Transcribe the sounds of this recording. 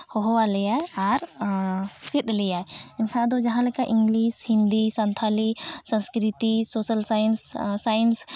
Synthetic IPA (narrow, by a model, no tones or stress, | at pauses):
hɔɦɔwalijaaɾ | t͡ʃit̪̚lijaeɪnkʰãd̪od͡ʒɐɦãlekaʔɪ̃ŋɡliʃhɪ̃nd̪isãnt̪ʰalisə̃nskɾit̪isoːsəlsanssajəns